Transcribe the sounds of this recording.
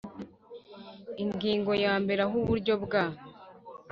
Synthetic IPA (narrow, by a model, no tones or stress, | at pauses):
iŋɡiːŋɡo̞jaːmbeɾaɦuβuɾɟo̞bɡa